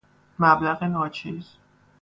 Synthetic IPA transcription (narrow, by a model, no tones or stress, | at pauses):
mæblæɣenɒːt͡ʃʰiːz̥